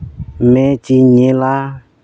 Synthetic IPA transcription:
mɛ̃t͡ʃiɲẽla

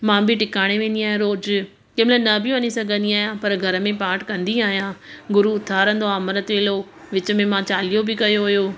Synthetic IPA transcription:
mãbʱɪʈɪkaːɽ̃eʋẽːnd̪iaːɦijãɾoːd͡ʑ | kɐ̃ɦɪ̃mɪlaːnɐbʱɪũʋɐnisɐɡʱə̃nd̪iaːɦijãpɐɾɡʱɐɾə̆mẽpaːʈʰkɐ̃nd̪iaːɦijãːɡʊɾuʊt̪ʰaːɾə̃nd̪oaːmɾət̪ʋeːlo | ʋɪt͡ɕə̆mẽmãt͡ɕaːlijobɪkɐjoɦʊjoː

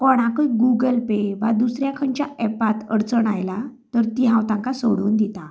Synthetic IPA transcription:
kɔɽ̃akəjɡuɡəlpeʋad̪usɾjakʰəɳt͡ɕjaɛpat̪əɽt͡səɳajlat̪əɾt̪iɦãwt̪ãŋkasoɽuːnd̪it̪a

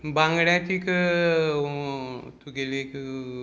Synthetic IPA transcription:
baŋɡɽjãt̪ikɨ | t̪ukelekɨ

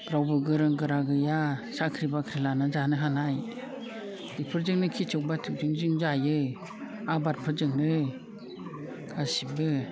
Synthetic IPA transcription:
ɾawbɯɡɯɾɯŋɡɯɾaɡɯjasakʰɾibakʰɾilanɯzanɯɦanaj | d̥ipʰɯɾd͡ʒɯŋnɯkʰit͡ʃʰɯk̚batʰɯk̚d͡ʒɯŋd͡ʒɯŋd͡ʒajɯ | abat̚pʰɯɾd͡ʒɯŋnɯ | ɡasibɯ

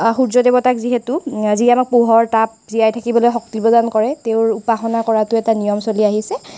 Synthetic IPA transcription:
xuɹzɔdebɔtakziɦɛtʊziamak̚puɦɔɹtap̚zijajtʰakibɔlojxɔk̚tibɔdankɔɹɛteʊɹupaxɔnakɔɹatʊɛtanijɔmsoliaɦisɛ

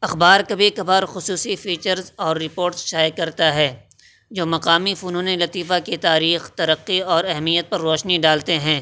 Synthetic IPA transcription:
ɐxbaːɾkɐbʱikɐbaːɾxʊsuːsifiːt͡ʃəɾzɔːɾːɪpoːɾʈsʃaːjkɐɾt̪aɦɛː | d͡ʒoːmɐqaːmifuːnõːnelɐt̪iːfakit̪aːɾiːxt̪ɐɾəqːiɔːɾɛɦmijət̪̚pɐɾːɔːʃniɖaːlt̪eɦɛ̃ː

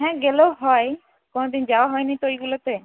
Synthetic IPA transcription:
ɦɛ̃ːɡeːloɦɔe | koñd̪ɪnd͡ʒaːoɦɔːenəĩt̪oːiɡʊlət̪eː

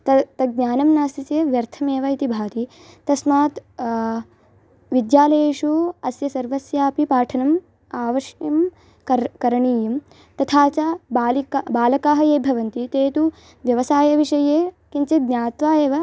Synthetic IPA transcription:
t̪ɐt̪ɐɡɲʲaːnɐmnaːsit̪eːʋjɐɾt̪ʰɐmeːʋɐit̪ibʱaːt̪i | t̪ɐsmaːt̪ | ʋid̪jaːlɐjeːʂuɐsjɐsɐɾʋɐsjaːpipaːʈʰɐnɐm | aːʋɐʂjɐm | kɐkɐɾɐɳiːjɐm | t̪ɐt̪ʰaːt͡ʃabaːlibaːlɐkaːɦɐjeːbʱɐʋɐnt̪it̪eːt̪u | ʋjɐʋɐsaːjɐʋiʂɐjeːkiɲt͡ʃɐɡnʲaːt̪ʋaːjeːʋɐ

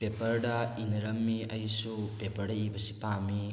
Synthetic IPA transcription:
pepɐɾdɐinɐɾɐmːiɐjsupepɐɾdɐjibɐsipami

